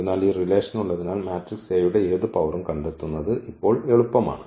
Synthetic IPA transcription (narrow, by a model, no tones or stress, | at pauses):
unːaːliːrile̞ːʂɐnuɭːɐðinaːlmaːtrikseːjuɽe̞eːðupɐʋɐrumkɐɳɖet̪ːunːɐðɨʔipːo̞ːɭeɭupːɐma̰ːɳɨ